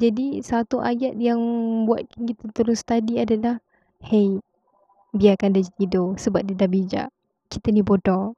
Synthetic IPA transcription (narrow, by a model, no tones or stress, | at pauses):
d͡ʒadisat̪uʔajat̪̚jaŋbuat̪̚kankit̪ət̪uɾʊnst̪adiadalah | hej̚ | biakandad͡ʒat̪idosəbap̚didabid͡ʒa̰ʔ | kit̪ənibodɔ